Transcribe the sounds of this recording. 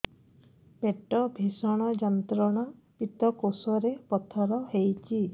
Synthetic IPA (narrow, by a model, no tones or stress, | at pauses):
peʈɔbʱisɔɽ̃ɔd͡ʒɔnt̪ɾɔɽ̃a | pit̪ɔkosɔɾepɔt̪ʰɔɾɔhejt͡ʃʰi